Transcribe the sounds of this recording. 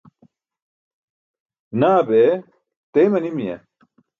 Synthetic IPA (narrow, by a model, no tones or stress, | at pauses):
naːbe | t̪ejmɐnimijɐ̰